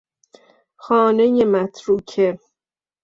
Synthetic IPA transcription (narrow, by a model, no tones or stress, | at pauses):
xɒːnejemæt̪ʰɾuːkʰe